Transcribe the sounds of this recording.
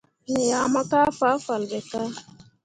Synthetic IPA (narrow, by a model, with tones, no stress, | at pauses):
ni˨ja˨ma˦ka˦fa˨˦fa˨lɡɛ˨ka˦